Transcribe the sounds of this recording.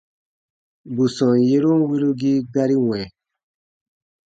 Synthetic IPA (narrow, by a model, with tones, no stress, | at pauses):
bu˨sɔ̃˨n˨je˦ɾu˦n˦wi˦ɾu˦ɡi˦ɡa˦ɾi˦wɛ̃˨